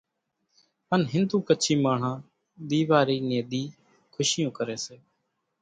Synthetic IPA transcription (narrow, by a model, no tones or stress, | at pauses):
ənɦɪnd̪uːkəːt͡ʃʰiːmaːɳ̤ãː | ɗ̪iːʋaːɾiːneːd̪iː | kʰʊʃɪjõːkəɾeːseː